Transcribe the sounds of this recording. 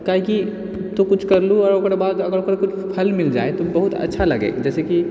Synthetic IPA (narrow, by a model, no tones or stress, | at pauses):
kaːɦiki | t̪okʊt͡ʃʰkɐɾluɔːɾokɾebaːd̪ɐɡəɾokɾkʊt͡ʃʰpʰɐlmɪld͡ʒa̰ːet̪obɐɦut̪ɐ̰tːʃʰalɐɡḛːd͡ʒɛːseki